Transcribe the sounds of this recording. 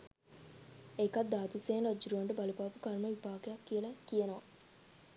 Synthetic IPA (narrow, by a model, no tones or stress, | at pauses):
ekat̪̚d̪aːt̪useːnod͡ʒːɾuʋaɳɖəbalupaːpukarməʋipaːkejakːijəlɐkijenoʋa